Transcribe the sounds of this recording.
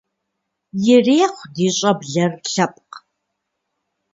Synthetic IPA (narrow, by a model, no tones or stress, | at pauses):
jɪreːχʷdiːɕʼɐbɮɐrɬɐpʼq